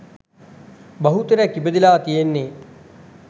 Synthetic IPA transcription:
bɐɦut̪ɐɾɐkibɐd̪ilaːt̪ijenːe

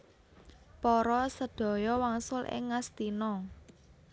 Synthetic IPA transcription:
pɔɾɔsəd̪̥ɔ̤jɔwaŋsʊlʔɪ̰ŋːast̪inɔ

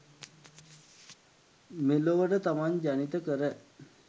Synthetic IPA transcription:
meloʋəʈət̪amaɲd͡ʒanit̪əkəɾə

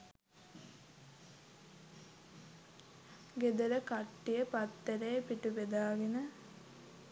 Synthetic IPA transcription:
ɡed̪ɐɾəkaʈːijəpɐt̪ːɐɾejpiʈuʋed̪aːɡinə

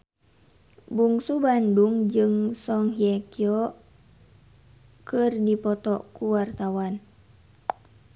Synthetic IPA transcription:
buŋsubanduŋd͡ʒɨŋsɔŋɦiɛkiɔ | kɨrdipɔt̪ɔkuwart̪awan

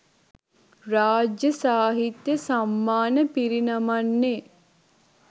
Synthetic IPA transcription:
ɾaːd͡ʒjəsaːɦit̪jəsamːaːnəpiɾinamanːe

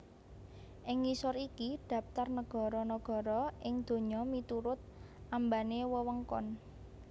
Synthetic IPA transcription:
ʔɪŋːisɔɾikid̪̥ä̤p̚t̪arnəɡ̥ɔ̤ɾɔnɔɡ̥ɔ̤ɾɔʔɪŋd̪̥o̤ɲɔmit̪uɾʊt̪̚ | ʔambanewəwəŋkɔ̰n

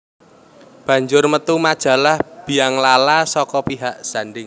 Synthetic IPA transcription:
b̥ä̤ɲd͡ʒʊrmət̪umad̥ʒ̥a̤lahb̥i̤jaŋlalasɔkɔpiɦaʔsaɳɖɪŋ

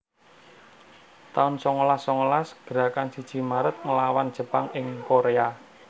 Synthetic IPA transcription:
t̪aʊnsɔŋolasɔŋolasɡ̥əɾa̤kansid̥ʒ̥i̤maɾət̪̚ŋəlawandd͡ʒ̥ə̤paŋɪŋkoɾea

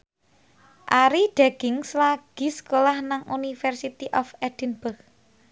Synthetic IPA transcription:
ʔaɾiɖ̥aɡ̥ɪŋslaɡ̥i̤səkolahnaŋʔunifɛrsit̪iʔɔfɛd̪̥i̤nbək

